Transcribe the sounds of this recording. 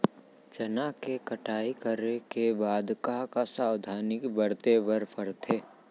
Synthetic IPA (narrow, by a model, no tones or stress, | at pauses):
d͡ʒənakekəʈaːikəɾekebaːd̪kakasaːwd̪ʱaːnɪkbəɾt̪ebəɾpʰəɾt̪ʰeː